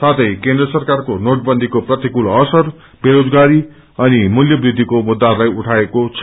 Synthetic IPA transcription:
sat̪ʰʌjkẽnd̪ɾʌsʌrkarkonoʈ̚bʌnd̪ʱikoprʌt̪ikulʌsʌr | beɾod͡zɡaɾi | ʌnimuljʌbrid̪ʱːikomud̪ːaɾlajuʈʰaekot͡sʰ

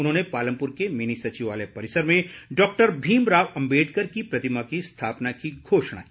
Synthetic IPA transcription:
ʊnɦõːnepaːlə̃mpʊɾkemɪnisɐt͡ʃiʋaːlepɐɾɪsəɾmẽɖɔːk̚ʈəɾbʱiːmɾaːʋɐ̃mbeːɖkɐɾkipɾɐt̪ɪmakist̪ʰaːpnakiɡʱoːʃɽ̃a̰iː

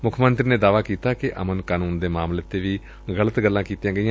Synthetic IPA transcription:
mʊkʰmə̃nt̪ɾiːneːd̪aːʋaːkiːt̪aːkɪʔə̰mənkaːnuːnd̪eːmaːmleːt̪eːʋiː | ɣələt̪ɡəlːãːkiːt̪ijãːɡəiːãː

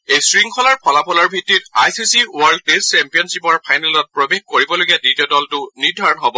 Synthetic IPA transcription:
ejsɹiŋkʰɔlaɹpʰɔlapʰɔlaɹbʱitːitajsisiuaɹld̚pest͡ʃɛmpijɔnsipɔɹpʰajnalɔt̚pɹobeɡ̚koɹibɔloɡiaditijɔdɔltʊniɹdʱaɹɔnɦɔbɔ

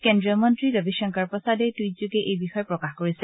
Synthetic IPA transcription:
kendɹiɔmɔntɹiɹɔbiʃɔŋkaɹpɔsadɛtuijzuɡɛʔejbixɔjɛpɹɔkaxkoɹisɛ

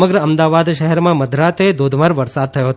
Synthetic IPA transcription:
məɡɾəəmd̪aʋad̪ʃəɦɛɾmãməd̪ʱɾat̪ed̪od̪ʱmaɾʋəɾsad̪̚t̪ʰəjoɦət̪

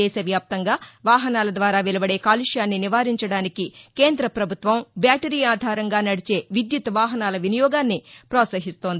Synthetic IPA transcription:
ɛːʃɐʋjaːp̚t̪ɐŋɡaːʋaːɦɐnaːlɐd̪ʋaːɾaːʋilɐbɐɽe̞ːkaːliʂjaːnːiniʋaːɾiɲt͡ʃɐɽaːnikikeːnd̪ɾɐpɾɐbʱut̪ʋɐmbaːʈɐɾiːaːd̪ʱaːɾɐŋɡaːnɐɽit͡ʃe̞ːʋid̪jut̪ʋaːɦɐnaːlɐʋinijɔːɡaːnːipɾɔːt̪sɐɦist̪o̞ːnd̪i

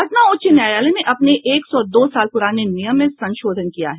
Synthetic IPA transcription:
ɐt̪naoːt͡ʃenjaːjaːlenẽʔɐpneeːksɔd̪oːsaːlpʊɾaːnenijəmːẽsɐ̃nʃoːd̪ʱənkija̰ɦɛ

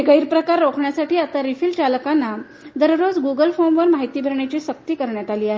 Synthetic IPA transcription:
ɡəiɾpɾəkaɾːokʰɳjasaʈiːat̪aɾifilt͡ɕalkanːa | d̪əɾɾod͡zɡuɡəlfomʋəɾmaɦit̪iːbʱəɾɳjat͡ɕiːɕək̚t̪iːkəɾɳjat̪aliːaɦe

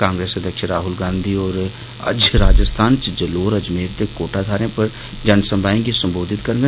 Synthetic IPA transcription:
kãːŋɡɾeːsəd̪ʱjəkʃɪ̃ɾɾaːɦʊlɡãːnd̪ʱiɔːɾ | ɐ̰d͡ʒɾaːd͡ʒəst̪ʰaːnt͡ʃd͡ʒəloːɾɐd͡ʒmeːɾt̪ekoːʈad̪ʱaːɾẽpɐɾ | d͡ʒɐnsə̃mbʱaːẽkisə̃mboːd̪ʱɪt̪kɐɾ̃ɡ

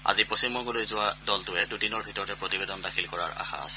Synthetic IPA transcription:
a̰zipɹosimɔɡulojzʊwadɔltʊɛdudinɔɹbʱitɔɹɔtɛpɹotibedɔndakʰilkɔɹaɹa̰xa̰a̰sɛ̥

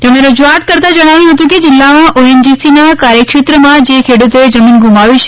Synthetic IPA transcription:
t̪ẽñẽɾəd͡ʒuat̪kəɾt̪ãd͡ʒəɽ̃aʋjũɦət̪ũked͡ʒɪlːamãoemd͡ʒisinakaɾjəkʃet̪ɾəmãd͡ʒekʰeɽut̪oed͡ʒəminɡumaʋiʃʰ

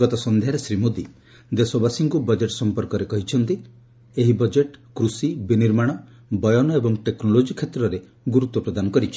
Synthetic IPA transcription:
ɔt̪ɔsɔnd̪ʱjaɾesɾimod̪i | d̪esɔbasiŋkubɔd͡ʒeʈsɔmpɔɾkɔɾekɔɦit͡ʃʰɔnt̪i | eɦibɔd͡ʒeʈkɾusibiniɾmaɽ̃ɔ | bɔjɔnɔebɔŋʈeknɔlod͡ʒikʰet̪ɾɔɾe | ɡuɾut̪wɔpɾɔd̪anɔkɔɾit͡ʃʰi̥

